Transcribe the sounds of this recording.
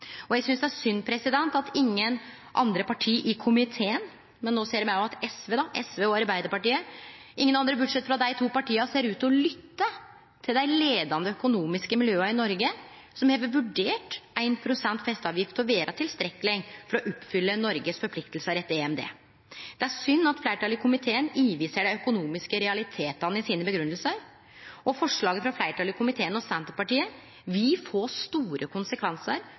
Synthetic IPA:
ɔjæɡsʏnsd̪ɛæɾsʏnpʰɾɛsɪd̪ɛnt̪ɑt̪ʰɪŋːən | ʔɑ̰nd̪ɾəpɑʈʰiːʔɪkʰʊmɪt̪ʰeːən | mɛnːoːseːɾmæɔmɑt̪ɛsʋeːd̪ɑʔɛsʋeːɔɑɾbæɪd̪əɾpɑʈiːəʔɪŋːənɑnd̪ɾəbʉɖʂɛt̪ːfɔɾɑd̪æɪt̪ʰuːpɑʈiːɑseːɾʉːt̪ɔlʏt̪ːə | t̪ʰɪld̪æɪleːd̪ɑnd̪əœkʊnuːmɪskəmɪljøːɑɾɪnɔɾɡə | sɔmheːʋəʋʉɖeːʈʔæɪnpʰɾʊsɛnt̪fɛst̪ɑːʋjɪft̪ɔʋeːɾʔɑt̪ʰɪlst̪ɾɛkːəlɪŋfɔɾɔʔʊpːfʏlːənɔɾɡəsfɔɾpʰlɪkt̪əlsəɾɛt̪ːeɛmd̪ḛː | d̪̥ɛæɾʂʏnːɑt̪flæɪʈʰɑːlɪkʰʊmɪt̪ʰeːəniːʋiːsəɖæɪœkʊnuːmɪskəɾɛɑlɪt̪ʰeːt̪ɑnəɪsiːnəbəɡɾʉnːəlsəɾ | ɔfɔʂɭɑːɡəfɾɑflæɪʈʰɑːlɪkʰʊmɪt̪ʰeːənɔsɛnt̪əpɑʈiːə | ʋɪlfoːst̪uːɾəkʰʊnsəkʰʋɛnsəɾ

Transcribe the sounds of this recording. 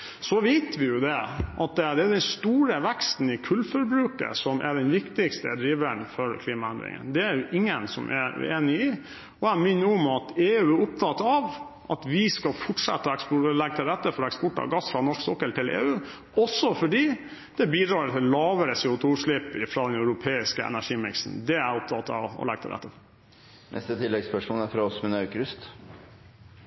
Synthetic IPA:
sɔʋeɪt̪ʰʋɪjʊd̪ɛʔɑt̪̚d̪ɛd̪ɛːd̪ɛnst̪uːɾəʋɛkst̪n̩ɪkʰʉlːfɔɾbɾʉːkə̰sɔmʔɛ̰ɖɛnʋɪkt̪ɪkst̪əd̪ɾiːʋənfɔɾkʰliːmɑænd̪ɾɪ̰ŋə̰nd̪ɛæɾjʊʔɪŋːənsɔ̰mʔɛ̰eːnɪɪ | ɔæmʏnːəʊmɑt̪eːʉːæɾʊp̚t̪ʰɑt̪ɑʋ | ʔɑ̰t̪ʋɪskɑlfɔʈʂɛ̰t̪ːəɔɛkspʊlɛɡːt̪ʰɪlɾɛt̪ːəfɔɾɛkspɔʈːɑ̰ɡɑsfɾɑnɔʂksɔkːəlt̪ɪlḛːʉː | ɔsːɔfɔɖiː | d̪̥ɛbiːd̪ɾɑːɾt̪ʰɪllɑːʋəɾəseːʊt̪ʰuːʂɭɪpɪfɾɑːd̪ɛnɑʉɾʊpʰeːɪskəɛ̰næʂiːmɪksn̩d̪ɛæɾʊp̚t̪ʰɑt̪ɑ̰ʋɔ̰lɛ̰ɡ̚t̪ʰɪ̰lɾæ̰t̪ːə | nɛ̰st̪ət̪ʰɪlːɛɡspœʂmuːnæɾfɾɑɔsmɛnɑʉkɾʉst̪

